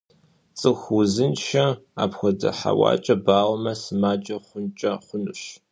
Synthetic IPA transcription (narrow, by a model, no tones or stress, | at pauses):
t͡sʼɨxʊzɨnʃɐa̰ːpxʷɔdɐ̰ħa̰wɑ̰ːt͡ʃʼɐbaːʁmɐsɨmaːd͡ʒʼɐχʷʊnt͡ʃʼɐχʷʊnɨʃ